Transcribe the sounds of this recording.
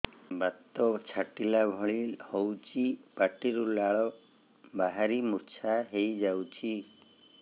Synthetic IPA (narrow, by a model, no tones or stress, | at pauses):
bat̪ːɔt͡ʃʰaʈilabʱɔɭihɔwt͡ʃʰipaʈiɾulaɭɔ | baɦaɾimuɾt͡ʃʰaɦejd͡ʒawt͡ʃʰi